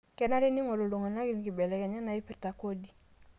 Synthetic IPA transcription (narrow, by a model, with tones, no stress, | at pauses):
kɛ˨na˦ɾi˦ni˦ŋo˨lo˨lo˨ŋa˨na˦ɡi˦n˨ki˨be˨le˨ke˨ɲa˦na˨i˦pi˨ta˨ko˦di˨